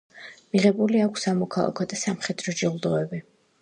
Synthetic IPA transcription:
miʁɛbuliakʰʷsamɔkʰalˠa̰kʰɔd̪asamχɛd̪ɾɔd͡ʒɛulˠd̪ɔɛbi

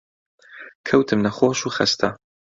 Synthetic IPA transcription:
kʰɐwt̪ʰɨmnɐxoːʃuːxɐ̰st̪ʰɐ

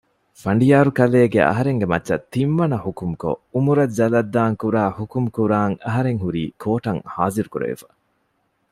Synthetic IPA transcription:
fɐɳɖijaːɾukɐleːɡḛɐ̰ɦɐɾeŋɡemɐtːʃɐt̪ːinʋɐnɐhukumko̰umuɾɐzɐlɐd̪ːaːŋkuɾaːhukumkuɾaːŋɐɦɐɾeŋɦuɾiːkʰoːʈɐŋhaːziɾukuɾḛʋḛfɐ̥

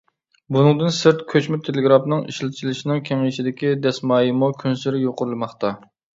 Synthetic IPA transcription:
bunɨŋd̪ɨnsɨɾt̪kʲʰøt͡ʃmɪt̪ʰeleɡɾɑpnɨŋḭʃlɪt͡ʃʰilɪʃinɪŋkʲʰeŋɪʃid̪ɪkʲid̪ɛsmɑːjimukʲʰynsyɾɪjoqʊɾlˠɨmɑχt̪ɑ

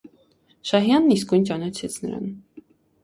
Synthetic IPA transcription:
ʃɑɦjɑnːiskujnt͡ʃɑnɑt͡ʃʰɛt͡sʰnəɾɑ̰n

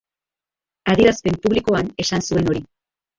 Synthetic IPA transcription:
að̞iɾaspe̞mpuβliko̞ane̞sansue̞no̞ɾi

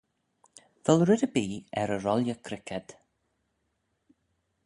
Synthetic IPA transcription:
vɛlˠɹɪdəbiːɛɾəɹɔlˠjəkʰɾɪkʰɛd̥

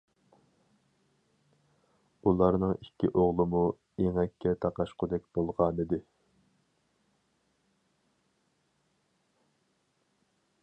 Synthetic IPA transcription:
ulˠɑɾnɨŋikʲʰːiʔoʁlˠɨmu | eŋɛkʲʰːɛt̪ʰɑqɑʃqʰʊd̪ɛk̚ʲbolˠʁɑːnɨd̪ɪ

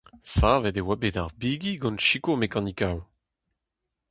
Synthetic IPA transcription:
savɛdewabedaʁbiɡiɡɔ̃nʃikomekɑ̃nikaw

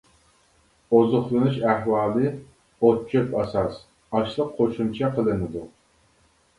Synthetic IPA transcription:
ozʊχlˠɨnuʃæhwɑːlˠɨ | ot̪̚t͡ʃʰøpɑsɑs | ɑʃlˠəqʰːoʃumt͡ʃʰɛqʰəlˠɨnɨd̪u

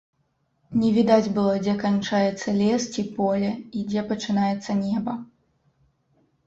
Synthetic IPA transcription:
nʲɛvʲid̪ad͡zʲbɨlˠɐd͡zʲɛkant͡ʂajɛt̪sːɐlʲɛst͡sʲipɔlʲɛid͡zʲɛpɐt͡ʂɨnajɛt̪sːɐnʲɛbɐ

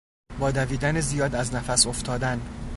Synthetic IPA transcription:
bɒːd̪æviːd̪ænezijɒːd̪æznæfæsoft̪ʰɒːd̪æn

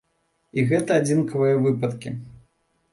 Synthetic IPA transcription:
iɣɛt̪ɐad͡zʲinkɐvɨjɐvɨpɐt̪kʲḭ

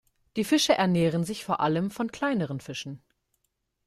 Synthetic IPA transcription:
d̥iːfɪʃəʔɛɐnɛːʁ̞ənzɪçfoːɐʔaləmfɔnkʰl̥aɪnəʁ̞ənfɪʃn̩

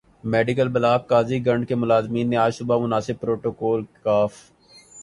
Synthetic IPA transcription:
mɛːɖɪkəlbɐlaːb̚kaːziɡɐ̃ɳɖkemʊlaːzmiːnːeaːsʊbamʊnaːsɪb̚pɾoːʈoːkɔːlkaːf

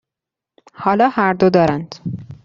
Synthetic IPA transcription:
hɒːlɒːhæɾd̪od̪ɒːɾænd̪̥

